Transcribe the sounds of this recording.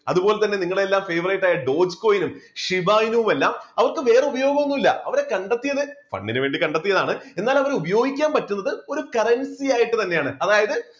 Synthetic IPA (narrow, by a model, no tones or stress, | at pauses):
ɐ̰ðupo̞ːlet̪ɐnːe̞niŋːɐɭeelːaːmfeːʋrɐjʈːaːjɐɖo̞ːd͡ʑko̞ːjinumʂibaːjinuʋume̞lːaːmɐʋɐrkɨʋe̞ːreubɐjo̞ːɡɐmonːumilːɐɐʋɐɾekɐɳɖɐt̪ːijɐðɨfɐ̰ɳːinɨʋe̞ːɳɖikɐɳɖɐt̪ːijɐðaːɳɨe̞nːaːlɐʋɐɾubɐjo̞ːɡikʲːaːmpɐtːunːɐðɨo̞ɾukɐrɐnsijaːjiʈːɨt̪ɐnːejaːɳɨɐðaːjɐðɨ